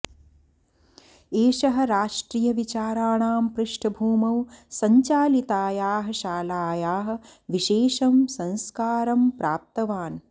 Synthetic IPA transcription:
eːʃɐɦɐ̆ɾaːʂʈɾiːjɐʋit͡ʃaːɾaːɳaːmpɾɪʂʈʰɐbʱuːmɐwsɐɲt͡ʃaːlit̪aːjaːɦɐ̆ʃaːlaːjaːɦɐ̆ʋiʃeːʃɐmsɐ̃nskaːɾɐmpɾaːp̚t̪ɐʋaːn

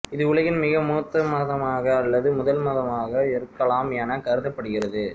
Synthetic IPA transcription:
ɪðɯʊɭɐɣɪnmɪɣɐmuːt̪ːɐmɐðɐmaːɣɐːlːɐðɯmʊðɐlmɐðɐmaːɣɐɛɾɯkːɐɭaːmaːnɐkɐɾɯðɐpːɐɽɯɣɪrɐðɯ

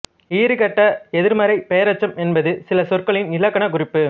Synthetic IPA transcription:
iːɾɯkɐʈːɐɛðɪɾmɐɾɐɪpeːɾɐt͡ʃːɐmɛnbɐðɯsɪlɐsɔrkɐɭɪnɪlɐkːɐɳɐkʊrɪpːɯ

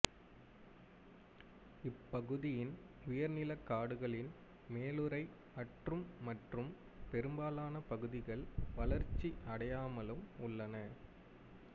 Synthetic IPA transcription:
ɪpːɐɣɯðɪjɪn | ʊjɐɾnɪlɐkːaːɽɯɣɐɭɪn | meːlɯɾɐɪ | ɐʈrɯmːɐʈrɯm | pɛɾɯmbaːlaːnɐpɐɣɯðɪɣɐɭʋɐlɐɾt͡ʃːiʔɐɽɐjaːmɐlɯmʊɭːɐnɐ

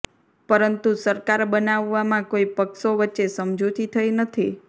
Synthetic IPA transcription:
pəɾənt̪usəɾkaɾbənaʋːamãkoipəkʃoʋətːʃesəmd͡ʒʱot̪ʰit̪ʰəjnət̪ʰi

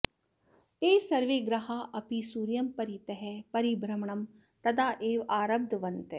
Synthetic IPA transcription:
t̪eːsɐɾʋeɡɾɐɦaʔɐpisuːɾjɐmpɐɾit̪ɐɦɛpɐɾibɾɐmɳɐm | t̪ɐd̪aːʔeːʋaːɾɐb̚d̪ʋɐnt̪e

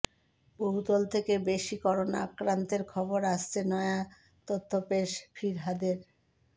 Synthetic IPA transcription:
boɦut̪olt̪ʰekebeʃikɔɾonaa̰kɾant̪eɾkʰɔboɾaʃt͡ɕʰenɔea | t̪ot̪ʰːopeʃfʰiɾɦad̪eɾ

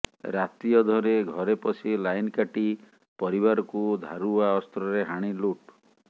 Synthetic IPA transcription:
ɾat̪ijɔd̪ʱɔɾeɡʱɔɾepɔsʰilajnkaʈi | pɔɾiβaɾɔkud̪ʱaɾuaɔst̪ɾɔɾeɦaɽ̃iluʈ

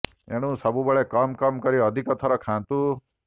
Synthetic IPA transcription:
ḛɽ̃ũsɔbubɔɭekɔmkɔmkɔɾiɔd̪ʱikɔt̪ʰɔɾɔkʰãːnt̪u

